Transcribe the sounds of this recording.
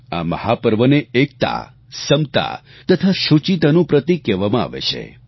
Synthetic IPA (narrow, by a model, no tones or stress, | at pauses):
a̰mə̰hapəɾʋəneek̚t̪a̰ | səmt̪a̰ | t̪ət̪ʰaʃut͡ʃit̪anũpɾət̪ikɛʋamãa̰ʋḛt͡ʃʰḛ